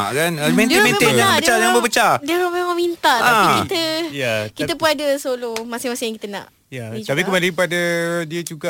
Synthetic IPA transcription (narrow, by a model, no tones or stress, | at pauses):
ʔkanmɛ̃nmɛ̃nejabəbət͡ʃajaŋbəbət͡ʃadiəamemãŋmint̪aʔt̪aikit̪əjakit̪əpunadəsolomasɪmasɪjãŋkit̪ənã̰ʔ | jat̪apikəmalipadadiəd͡ʒuɡaʔ